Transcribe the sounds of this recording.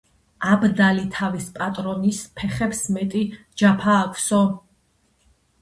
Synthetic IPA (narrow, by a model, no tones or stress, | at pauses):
abd̪alit̪ʰavispʼat̪ʼɾɔnispʰɛχɛpsmɛt̪ʼi | d͡ʒapʰaːkʰʷʼsɔ